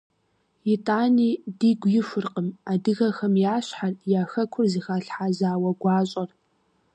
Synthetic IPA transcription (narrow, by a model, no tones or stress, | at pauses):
jɪtʼaːniːdiːɡʷjɪfɨrqəmadɨɣɐxɐmjaːɕħarjaːxɐkʷʰʊrzɨxaːɬħaːzaːwɐɡʷɑːɕʼɐr